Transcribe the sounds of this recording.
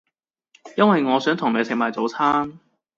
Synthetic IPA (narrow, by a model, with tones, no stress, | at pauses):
jɐ˥nwɐ˨jŋɔː˨˧sœː˨˥ŋt̪ʰʊ˨˩ŋne˨˧˥sʰɪ˨k̚maː˨jt͡so˨˧˥wt͡sʰaː˥n